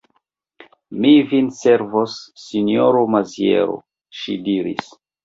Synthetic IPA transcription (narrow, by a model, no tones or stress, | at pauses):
mivinse̞ɾvosːinioɾomazjḛɾo̰ | ʃidiɾḭs